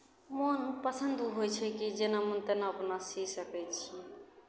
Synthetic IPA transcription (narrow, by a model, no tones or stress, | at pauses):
monpasʰand̪uɦojt͡ɕʰekid͡ʑenamont̪enaponasisaped͡ʒ